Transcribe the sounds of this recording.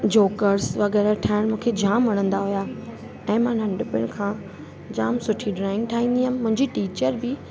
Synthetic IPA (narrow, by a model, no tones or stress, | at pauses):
d͡ʑoːkəɾsʋɐɣɛːɾaʈʰaːɪɽ̃mũːkʰed͡ʑaːmʋɐɽ̃ə̃nd̪aɦʊjaː | ɛ̃ːmãnɐ̃ɳɖɪpɪʊɽ̃kʰãː | d͡ʑaːmsʊʈʰiɖɾaːɪ̃ŋɡ̚ʈʰaːɦĩːn̆d̪iɦəmɪ̆mʊ̃ɦɪ̃ɲd͡ʑiʈiːt͡ɕəɾbɪ